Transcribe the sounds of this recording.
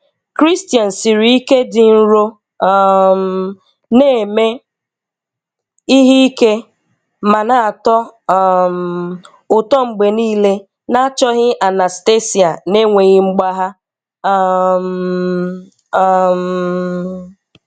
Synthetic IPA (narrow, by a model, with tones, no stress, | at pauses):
kɾi˦stja˨n̩˨si˨ɾi˨˦i˦ke˦dɪ˨n̩˦ɾo˦ | m | ne˦˨me˦ | i˦ɦi˦i˦ke˦ | ma˨na˨a˨tɔ˦˨m | ʊ˨tɔ˦ŋ͡m̩˨ɡ͡be˨niː˦le˦ | na˦t͡ʃɔ˦ɣɪ˦ʔa˨na˨ste˦si˨a˨ne˦ŋʷe˨ɣɪ˦ŋ͡m̩˦ɡ͡ba˦ɦa˦ | m˨ | m